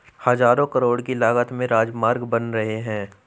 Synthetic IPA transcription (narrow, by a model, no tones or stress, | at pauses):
hɐzaːɾõkəɾoːɽkilaːɡət̪mẽɾaːd͡ʒmaːɾɡbɐnɾɐɦeɦɛ̃ː